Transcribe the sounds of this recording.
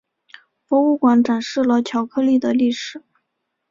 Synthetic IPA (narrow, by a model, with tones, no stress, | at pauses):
pwɔ˧˥u˥˩kwa˧˥nʈ͡ʂa˨˩nʂɻ̩˥˩lə˩t͡ɕʰjɑ˧˥ʊkʰɤ˥˧li˥˩d̪ə˩li˥˩ʂɻ̩˨˩˦